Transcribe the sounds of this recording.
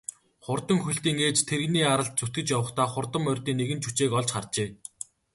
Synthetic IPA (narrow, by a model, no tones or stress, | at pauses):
χʊrt̪ə̆ŋxuɬt̪iːŋeːt͡ɕt̪ʰeɾɣniːaɾə̆ɮt̪̚t͡sut̪̚ɡɘ̆t͡ɕjawə̆χt̪ʰaːχʊrt̪ə̆mːœrʲt̪iːŋneɣɘ̆nt͡ɕʰut͡ɕeːkɔɮt͡ɕχart͡ɕeː